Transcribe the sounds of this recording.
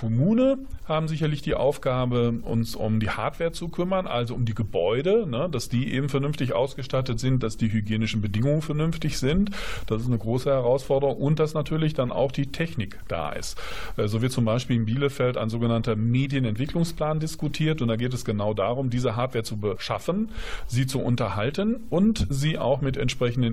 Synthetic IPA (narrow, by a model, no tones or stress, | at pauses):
kʰɔmuːnənhaːbm̩zɪçɐlɪçd̥iːʔa̰ʊfɡ̥aːbəʔʊ̰nsʊ̰mdiːha̰ɐtv̥eːɐt͡sukʰʏmɐnʔa̰lzoʊmdiːɡəbɔʏdənəd̥asd̥iːʔḛːbm̩fɛɐnʏnftɪçʔa̰ʊsɡ̥əʃtatətz̥ɪnt̚d̥asd̥iːɦyɡjeːnɪʃn̩bədɪŋʊŋənfɛɐnʏnftɪçz̥ɪntd̥asɪs̬tnəɡʁoːsəhɛʁ̞aʊsfɔɐdəʁʊŋʔʊnt̚d̥asnatʰyːɐlɪçd̥anʔa̰ʊxd̥iːtʰɛçnɪkd̥a̰ːʔɪ̰stʔɛzoːvɪɐtt͡sʊmbaɪʃpiːlɪmbiːləfɛlta̰ɪnzoːɡənantɐmeːdjənɛntv̥ɪklʊŋspl̥aːndɪskutʰiːɐtʊntd̥aːɡeːt̬ɛsɡ̥ənaʊda̰ːʁʊmdiːzəɦaːɐpv̥eːɐt͡subəʃa̰fənziːt͡suʔʊ̰ntɐhaltənʔʊntziːʔa̰ʊxmɪtɛ̰ntʃpʁ̥ɛçn̩dən